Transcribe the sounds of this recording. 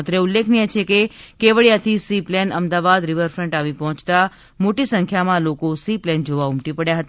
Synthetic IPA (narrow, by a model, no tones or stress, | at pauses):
t̪ɾeʊlːekʰnijet͡ʃʰekekeʋəɭjat̪ʰisiplɛnəmd̪aʋad̪ɾɪʋəɾfɾəɳʈaʋipɔɦɔ̃t͡ʃt̪a | moʈisəŋkʰjamãlokosiplɛnd͡ʒoʋaʊmʈipəɽjaɦət̪